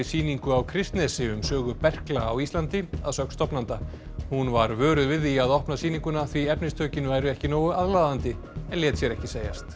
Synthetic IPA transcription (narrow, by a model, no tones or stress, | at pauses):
ɪsiːniŋkʏawkʰɾɪst̪nɛsɪʏmsœːɣʏpɛr̥klaːwist̪lant̪ɪaðsœkst̪ɔpnant̪a | hunvaɾvœːɾʏðvɪðiaðɔhpnasiːniŋkʏnaθviɛpnɪst̪ʰœːcɪnvajɾʏɛhcɪnoːwʏaðlaːðant̪ɪ | ɛnljɛːt̪sjɛɾɛhcɪseːja̰st̪